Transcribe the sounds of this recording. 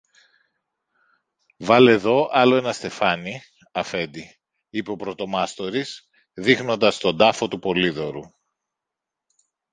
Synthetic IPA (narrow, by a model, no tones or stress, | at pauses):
vɐle̞ðo̞ʔɐlo̞e̞nɐst̪e̞fɐni | ɐfe̞d̪i | ipeo̞pɾo̞t̪o̞mɐst̪o̞ɾis | ðixno̞nd̪ɐst̪o̞d̪ɐfo̞t̪upo̞liðo̞ɾu